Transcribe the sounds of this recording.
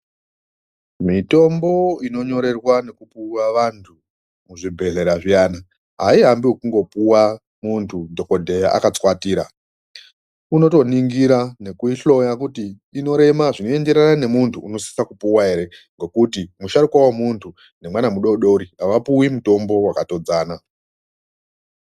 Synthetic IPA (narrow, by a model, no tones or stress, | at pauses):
mito̞mbo̞ino̞ɲo̞ɾe̞rwane̞kupuwaʋantʰu | muʐibʱe̞ɮe̞ɾaʐijaːna | ɦaiɦambiwekuŋɡo̞puwa | muntʰudʱo̞ko̞dʱe̞jaa̰kat͡swatiːɾa | uno̞to̞niŋɡiɾane̞kuiɬo̞jakutiː | no̞ɾe̞maʐino̞e̞nde̞ɾanane̞muntʰuːno̞si̥sakupuwae̞ɾe̞ŋɡo̞kutimuʃadukwawemuntʰu | ne̞mwanamuɗo̞ɗo̞ɾiɦaʋapuwimuto̞mbo̞wakato̞d͡zaːna